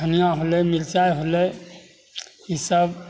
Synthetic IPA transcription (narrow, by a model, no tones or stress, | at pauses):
ənijãɦolejmilt͡ʃajɦolej | isəb